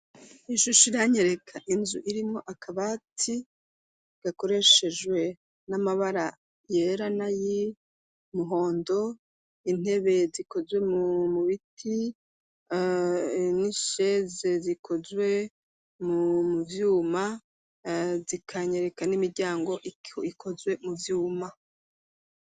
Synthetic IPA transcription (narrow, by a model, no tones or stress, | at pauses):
iʃuʃiɾaɲeɾe̞kʰaʔinzuʔiɾimo̞ʔakaβati | ɡ̥ako̞ɾe̞ʃe̞d͡ʒwe̞ | namaβaɾa | jeɾanaji | muɦo̞ːndo̞ | in̥e̞βe̞ziko̞zwe̞mumuβitʰi | niʃeze̞zikʰozwe̞ | mumuvjuːma | zikʰaɲeɾekanimiɾɟaːŋɡo̞ʔiikʰo̞zwe̞muvjuːma